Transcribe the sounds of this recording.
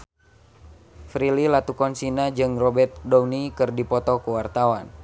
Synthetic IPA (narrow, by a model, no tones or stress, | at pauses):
fɾililat̪ukɔnsinad͡ʒɨŋrɔbɛrt̪̚dɔwnikɨrdipɔt̪ɔkəwart̪awan